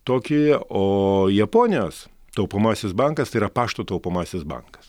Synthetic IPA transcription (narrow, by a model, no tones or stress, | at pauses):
t̪oːkʲɪoːjɛpoːnʲɪjoːs | t̪ɐʊpomɑːsʲɪsbɐŋkɐst̪ɐɪiːɾɐpɑːʃt̪oːt̪ɐʊpomɑːsʲɪsbɐ̰ŋkɐ̥s